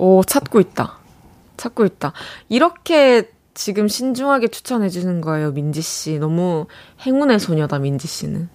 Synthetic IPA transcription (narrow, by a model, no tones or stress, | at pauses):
ʌt͡ɕʰat̚k͈oit̚t͈a̰ | t͡ɕʰat̚k͈oit̚t͈aiɾʌkʰe̞ | t͡ɕiɡɯmɕʰind͡ʑuŋɦaɡe̞t͡ɕʰu̥t͡ɕʰʌnɦe̞d͡ʑunɯnɡʌe̞jomind͡ʑiɕ͈inʌmuhe̞ŋune̞sʰoɲʌdamind͡ʑiɕ͈ḭnɯ̰n